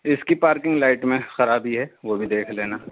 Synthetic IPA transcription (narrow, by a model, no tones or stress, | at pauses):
ɪskipaːɾkɪ̃ŋɡlaːɪʈmẽxɐɾaːbʱiɦɛʋobʱid̪eːkʰleːnaː